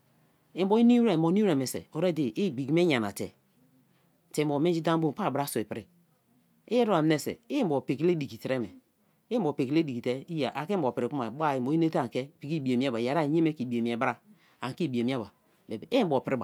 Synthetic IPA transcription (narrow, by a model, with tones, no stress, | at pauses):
e˨m˦o˦i˦ni˦ɾe˦˨mbo˨˦ni˦e˨me˨sḛ˨o˨ɾe˦˨de˨ʔe˦˨bi˨ɡi˨me˦ɲa˨na̰˨tḛ˨ | te˨o˨me˦d͡ʒi˦da˦mbo˦˨pa˦˨bɾa˦so˨e˨pɾi˦ | e˦je˦ɾo˦a˨m˦ne˦˨sḛ˨e˦mbo˨pe˨ki˦le˦di˨ki˨ti˨ɾe˦me˨˦ | bo˨pe˨ki˨le˦di˨ki˨te˦i˦ja˨ʔa˨ke˦bo˨pi˨ɾi˨ku˦ma˨ba˦˨i˨m˨o˨˦i˦ne˦ta˦˨ŋ˨ke˦pi˨ki˦˨bi˨e˨mi˦e˦ba˨ja˨ɾa˦˨je˦me˦ki˨bi˨e˨mi˨e˨bɾa˦ | a˨ŋ˨ki˦˨bi˨e˨mi˦a˦ba˨ | be˨be˨e˦m˦bo˨pi˨ɾi˦ba̰˨